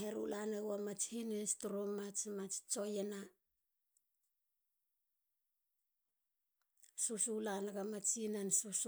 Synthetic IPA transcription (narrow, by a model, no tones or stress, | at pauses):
heɾṵlanewamat͡ʃhinestuɾomat͡ʃmat͡ʃt͡ʃojena | susulanaɡamat͡ʃinansus